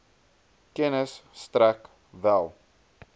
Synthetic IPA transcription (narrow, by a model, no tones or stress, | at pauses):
kɛnəsːtɾæk | vælˠ